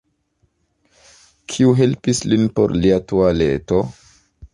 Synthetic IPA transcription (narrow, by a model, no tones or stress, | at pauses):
kʰiuɦe̞lpislinpo̞̰ɾliatualeto